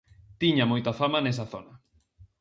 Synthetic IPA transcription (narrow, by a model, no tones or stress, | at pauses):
t̪iɲamojt̪afamanes̬ɐθonɐ